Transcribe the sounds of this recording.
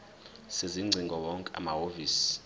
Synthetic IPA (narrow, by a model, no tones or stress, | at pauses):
seziŋ͡ǀʱiŋɡʱɔwɔŋkʼɛa̰maɦoviːsi̥